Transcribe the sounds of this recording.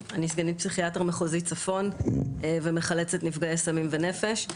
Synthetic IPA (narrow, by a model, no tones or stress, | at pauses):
anisɡenit̚psiχiatʁmeχozit͡safo̞n | vemeχalet͡setnifɡaesamimve̞ne̞feʃ